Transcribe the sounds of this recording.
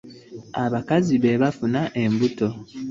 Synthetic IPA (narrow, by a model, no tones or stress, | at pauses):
aβakaziβe̞βafunaʔe̞mbuto̞